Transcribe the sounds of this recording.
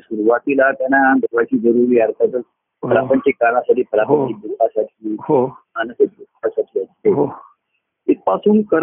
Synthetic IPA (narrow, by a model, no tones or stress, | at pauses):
suɾuʋat̪ilat̪janad̪ʱəɾʋat͡ɕiːd͡zəɾuɾiːaɾt̪at̪əɾ | pɾapəɲt͡ɕekanãsaʈiːpɾapəɲibit̪asaʈʰi | anəsatit̪asaʈʰiast̪eɦ | it̪̚pasuːnkəɾ